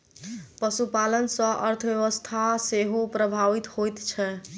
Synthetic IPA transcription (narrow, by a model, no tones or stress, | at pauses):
pəsupalənsə̃ʔə̰ɾt̪ʰəbjəʋəst̪ʰaseɦopɾəbʱaʋit̪hojt̪t͡ʃʰɛ